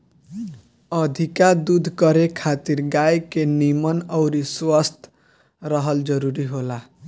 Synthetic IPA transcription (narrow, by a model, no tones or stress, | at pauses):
ʌd̪ʱikad̪ud̪ʱkʌɾekʰat̪iɾɡajkenimʌnʌwɾiswʌst̪ʰ | rʌɦʌld͡zʌɾuɾiɦola